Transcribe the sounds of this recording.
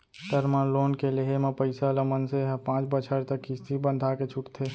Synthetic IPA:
ʈəɾmaloːnkeleɦemẽpəɪsaləmənseɦpãːt͡ʃbət͡ʃʰəɾt̪əkːist̪ibənd̪ʱaket͡ʃʰʊʈt̪ʰeː

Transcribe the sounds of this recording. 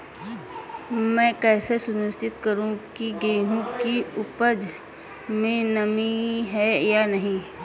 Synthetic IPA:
mɛ̃ːkɛːsesʊnɪst͡ʃɪt̪kɐɾũkiɡɐiɦũkiʊpəd͡ʒ | mẽnɐmiɦɛjanɐɦĩ

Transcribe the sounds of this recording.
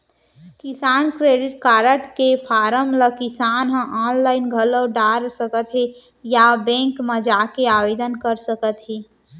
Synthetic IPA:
kɪsaːnkɾeːɖɪʈ̚kaːɾəʈkepʰaːɾəmləkɪsaːnɦə̃ʔaːnlaːɪnɡʱələɖaːɾsəkət̪ɦe | jabɛ̃ːŋkməd͡ʒaːkeaːʋeːd̪ənkəɾsəkət̪ɦeː

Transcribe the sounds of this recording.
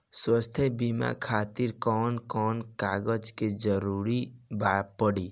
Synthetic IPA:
swəst̪ʰebima̰kʰaːt̪iɾkɔːnkɔːnkaɡəd͡ʒked͡ʒəɾuɾibapəɽi

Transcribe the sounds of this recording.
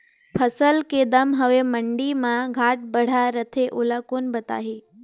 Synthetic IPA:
pʰəsəlked̪əmɦəʋeməɳɖimãɡʱaːʈ̚bəɽ̤aɾət̪ʰeʔolakoːnbət̪a̰ːɦiː

